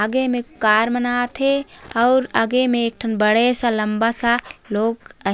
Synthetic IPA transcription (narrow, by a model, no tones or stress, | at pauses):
aɡemẽkaːɾmənaːt̪ʰeɔʊɾaɡemẽeːk̚ʈʰənbəɽesãləmbasaloːɡə